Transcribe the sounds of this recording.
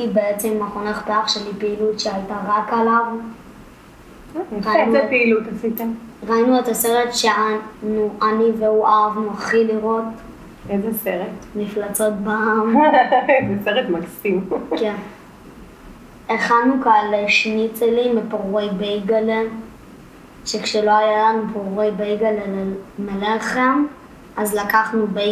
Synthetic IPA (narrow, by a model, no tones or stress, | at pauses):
ibeet͡semaχonaχpeaχʃeanipeilutʃeajtaʁakalav | ʁaiuepeilut̪asit̪aʁainuetaseʁetʃeanuʔaniveuʔavmoχiliʁo̞t | ezeseʁetmiflat͡so̞t̚baam | zeseʁetmaksimken | eχanukaleʃnitelimepoʁejbejɡale | ʃekʃelo̞ajalanupoʁejbejɡalemeleχem | ʔazlakaχnube